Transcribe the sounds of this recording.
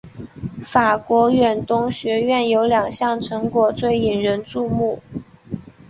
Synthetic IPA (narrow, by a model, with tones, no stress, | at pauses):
fa˨˩kwɔ˧˥ɥɛ˨˩nt̪ʊ˥ŋɕɥɛ˧˥ɥɛ˥˩njo˧˥ʊljɑ˨˩ŋɕjɑ˥˩ŋʈ͡ʂʰɤ˧˥ŋkwɔ˨˩t͡swe˥˩ɪi˨˩ŋɻə˧˥nʈ͡ʂu˥˧mu˥˩